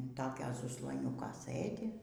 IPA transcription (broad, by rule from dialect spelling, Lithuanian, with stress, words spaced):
ɪn ˈtoːkʲoː zʊzlˠoːˈnʲuːkoː ˈsɘdʲɪ